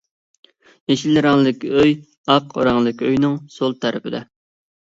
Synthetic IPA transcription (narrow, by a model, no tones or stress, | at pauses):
jeʃilɨɾɑŋlˠɨɪkʲøj | ɑqɾɑŋlˠɨkʲøjnɪŋsolˠt̪ʰæɾɪpɪd̪ɛ